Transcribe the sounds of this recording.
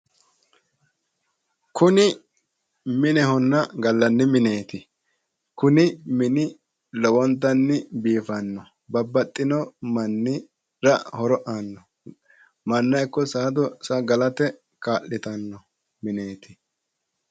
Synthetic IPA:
kʰʊnɪ | mɪnɛɦɔnːɐɡɐlːɐnːɪmɪne̞ːt̪ɪ | kʊnɪmɪnɪ | lɔwɔnt̪ːɐnːɪbiːfɐnːɔ | bɐbːɐt̪ʼːɪnɔmɐnːɪ | ɾɐhɔɾɔʔanːɔ | mɐnːɐjkːɔsaːd̪ɔsɐɡɐlɐt̪ɛ | kaːʔːɪt̪ɐnːɔ | mɪne̞ːt̪ʰɪ̥

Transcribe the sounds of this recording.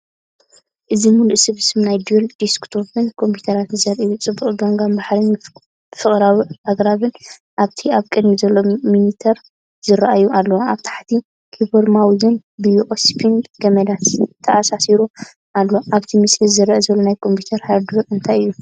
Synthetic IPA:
ʔɨzimuluʔsɨβsɨmnajd̪jold̪̥iskt̪ʰopɨnkʰo̞mpʰu̥t̪ʰɐɾat̪zɐɾʔɨjːut͡sʼɨbːuχʼɡoŋɡanbaħɾin | fɨχʼɾawiaɡɾaβɨn | ʔaβt̪ʰiaβkʼɨd̪mizɐlːo̞minit̪ʰɐɾ | z̥ɨɾaʔajuʔalːoaβt̪ʰḁħt̪ʰi | kʰiboɾmawzɨn | bɨjuʔospʰinɡɐmɐd̪ast̪ʰːɐasasiɾu | ʔalːoʔaβt̪ʰimɨslɨzɨɾɐʔazɐlːonajkʰo̞mpʰit̪ʰɐɾhaɾd̪ɾɐɾɨnt̪ʰajɨjːu

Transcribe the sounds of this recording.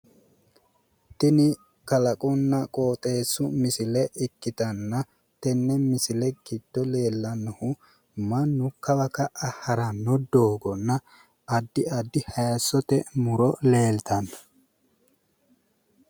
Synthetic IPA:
t̪ɪnɪ | kɐlɐkʼʊnːɐkʼoːt̪ʼe̞ːsːʊmɪsɪlɛʔɪkːɪt̪ɐnːɐ | t̪ɛnːɛmɪsɪlɛɡ̥ɪd̪̥ːɔle̞ːlːɐnːɐhʊ | mɐnːʊkɐbɐkɐʔɐhɐɾɐnːɔd̪oːɡɔnːɐ | ɐd̪ːɪɐd̪ːɪhɐjɐsːɔt̪ɛmʊɾɔle̞ːlt̪ɐnɐ̥

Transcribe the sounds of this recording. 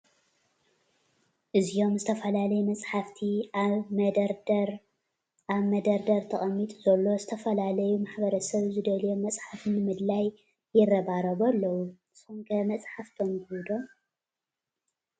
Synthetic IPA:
ʔɨzijo̞mzɨt̪ʰɐfɐlalɐjumɐt͡sʼħaft̪ʰiaβmɐd̪ɾɾ | ʔaβmɐd̪ɐɾd̪ɐɾt̪ʰɐχʼɐmːit̪ʼuz̥ɐlːo̞zɨt̪ʰɐfɐlalɐjumaħbɐɾɐsɐβzɨd̪ɐljomɐt͡sʼħafnɨmɨd̪laj | jːɪrɐβaɾɐβalːɐwu | somkʰɐmɐt͡sʼħaft̪ʰombɨud̪om

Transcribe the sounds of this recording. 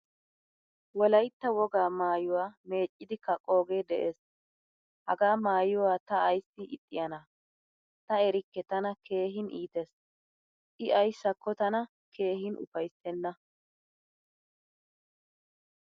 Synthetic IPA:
wɔlɐjt̪ːɐwɔɡaːmaːjʊwaːme̞ːt͡ʃʼːɪd̪ɪkɐkʼo̞ːɡed̪ɛʔeːs | hɐɡaːmaːjʊwaːt̪ɐːjsːɪɪ̰t̪ʼːɪjɐnɐ | t̪ɐɛɾɪkːɛt̪ɐnɐkʰe̞ːɦɪnʔiːt̪ɛs | ʔɪɐjsːɐkːɔt̪ɐnɐ | kʰe̞ːɦɪnʔʊ̰fɐjsɛnːɐ

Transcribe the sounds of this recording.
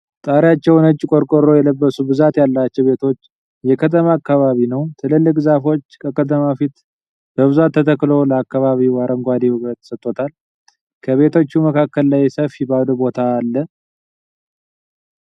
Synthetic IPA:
t̪ʼaɾjat͡ʃːɛwnət͡ʃʼːikʼo̞ɾkʼoɾo̞jɛləbːəsubɨzat̪jalːat͡ʃːɛwbe̞t̪ʰo̞t͡ʃː | jɛkʰət̪ʰəmaːkːaβaβinəwt̪ʰɨlɨlːɨkʼzafo̞t͡ʃːkʰəkʰət̪̬ʰəmafit̪ | b̥əβɨzat̪ʰːət̪ʰəkːlo̞ləakːaβaβiwaɾʔəŋɡʷad̪ihuβət̪sət̪ʼːo̞t̪ʰal | kʰəβe̞t̪ʰo̞t͡ʃːuməkʰakːəlːajsəfibad̪ubo̞t̪ʰaːlːə

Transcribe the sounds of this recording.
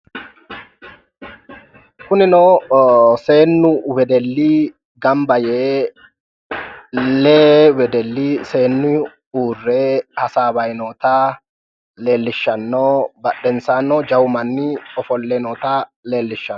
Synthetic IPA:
kʊnɪnoːse̞ːnːʊwɛd̪ɛlːiː | ɡɐmbɐjeː | leːwɛd̪ɛlːiːse̞ːnːʊ | uːrːeːhɐsaːbɐjnoːt̪aː | le̞ːlːɪʃːɐnːoːbɐɗːɛnsaːnːoːd͡ʒɐwʊmɐnːiɔfɔlːeːnɔːt̪aːle̞ːlːɪʃːɐn

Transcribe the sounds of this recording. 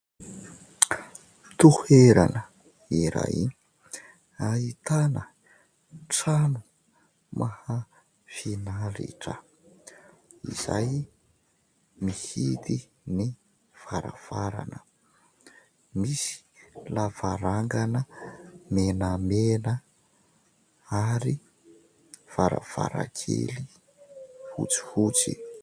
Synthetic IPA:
t̪uheɾanə | iɾa̰jḭ | ait̪anə | ʈ͡ʂanu | mʔaha | finaɾḭʈ͡ʂə̰ | ḭz̥a̰j | mihit̪i | ni | v̥aɾav̥aɾa̰nə | misi̥lavaɾaŋɡanəmenəmenə | aɾi | v̥aɾa̰v̥a̰ɾa̰kʰḛli | hṵt͡si̥hut͡si

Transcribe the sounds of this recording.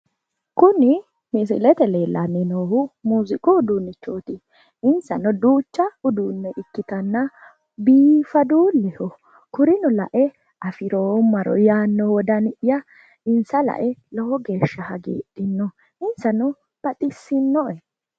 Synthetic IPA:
kʊnɪ | mɪs̬ɪ̰lɛt̪ɛleːlːʔɐnːɪnoːhʊmuːzɪkʼɔːd̪uːnːɪt͡ʃːoːt̪ɪ | ɪnsɐnɔd̪uːt͡ʃːɐʊd̪uːnːɛʔɪkːɪt̪ɐnːɐ | biːfɐd̪uːlɛhɔ | kʊɾɪnɔlɐ̰ʔɛ | ɐfɪɾoːmːɐɾɔ̰jaːnːɔwɔd̪ɐnɪʔjɐ | ɪnsɐlɐ̰ʔɛlɔhɔɡe̞ːʃːɐhɐɡḛːɗɪnːɔ | ɪnsɐnɔ | b̥ɐt̪ʼɪsːɪnːɔʔɛ

